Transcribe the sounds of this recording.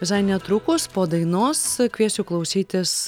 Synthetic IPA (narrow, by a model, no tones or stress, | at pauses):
ʋʲɪsɐɪnʲɛt̪ɾʊkʊspoːd̪ɐɪnoːskʲʋʲiɛsʲuːklˠɐʊsʲiːt̪ʲɪs